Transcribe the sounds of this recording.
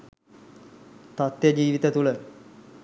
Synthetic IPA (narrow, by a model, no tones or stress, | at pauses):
t̪at̪ːjəd͡ʒiːʋit̪ət̪ulə